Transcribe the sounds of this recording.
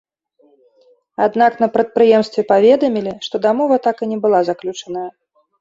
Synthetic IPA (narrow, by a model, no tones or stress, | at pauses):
ad̪n̪akn̪ɐpɾɐt̪̚pɾɨjɛmst̪vʲɛpavʲɛd̪ɐmʲilʲiʂt̪ɔd̪amɔvɐt̪akɨnʲɛbɨlˠazaklʲut͡ʂɐnəjɐ